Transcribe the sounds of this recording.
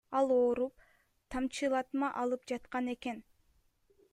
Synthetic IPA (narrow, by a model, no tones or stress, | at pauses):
ɑlˠoːɾup̚ | t̪ʰɑmt͡ʃɯlˠɑt̪mɑʔɑlˠɯp̚d͡ʒɑt̪qɑne̞ke̞n